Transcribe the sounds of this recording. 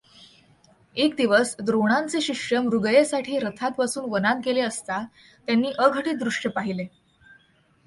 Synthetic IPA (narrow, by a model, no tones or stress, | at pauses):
ekd̪iʋəsd̪ɾoɽ̃ant͡seɕiʂəmɾuɡjesaʈʰiːɾət̪ʰat̪ʋasuːnʋənankeleəst̪a | t̪janːiːʔəɡʱəʈiːt̪̚d̪ɾuʂʈjəpaɦile